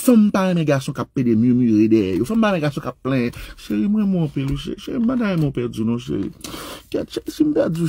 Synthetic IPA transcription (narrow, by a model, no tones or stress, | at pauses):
fɛ̃m̩paɛ̃mɛ̃ɡasɔ̃kapːedemjømyʁedɛjɛ̰jofɛ̃mpaɛ̃mɛ̃ɡasɔ̃kapːlɛ̃ʃeɣimwɛ̃mɔ̃piluʃḛʃeibadajmõpɛd͡zinɔ̃ʃ̬ḛɣḭkɛʃɛsim̩tad͡zi